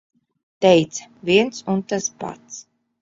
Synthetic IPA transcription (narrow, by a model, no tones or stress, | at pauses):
t̪ɛjt̪sḁvʲiɛnsunt̪aspa̰t̪s